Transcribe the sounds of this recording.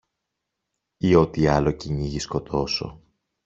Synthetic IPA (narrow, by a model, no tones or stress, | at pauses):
io̞t̪iɐlo̞ciɲiʝisko̞t̪ʰo̞so̞̰